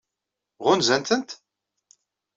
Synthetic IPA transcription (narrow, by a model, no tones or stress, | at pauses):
ʁʊnzænt̪ənt̪